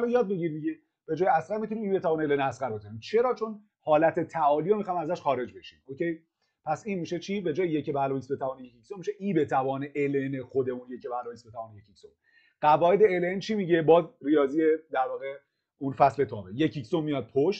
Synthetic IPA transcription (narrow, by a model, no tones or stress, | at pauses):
ɾɔjɒːd̪̚be̞ɟiɾid̪iɟe | b̥e̞d͡ʒɒːjeæsɾæɾmit̪ʰunimiːbe̞t̪ʰævɒːneelenæsɡæɾbe̞kʰonimt͡ʃʰe̞ɾɒːt͡ʃʰo̞n | hɒːlæt̪ʰet̪ʰæɒːlijomixɒːjimæzæʃxɒːɾe̞d͡ʒbe̞ʃḭmocʰe̞j | pʰæsiːnmiːʃe̞t͡ʃʰiːbe̞d͡ʒɒːjejecebælɒːvisbe̞t̪ʰævɒːnejecicsomiʃe̞ʔiːbe̞t̪ʰævɒːneʔelenexod̪e̞munjecʰebælɒːvisbeævɒːnejecicsom | ɢ̥ævɒːe̞d̪eelent͡ʃʰimiɟebɒːzrijɒːziːjed̪æɾvɒːɣe | unfæsle̞t̪ʰɒːbejecʰicsommijɒːd̪̚pʰoʃt̪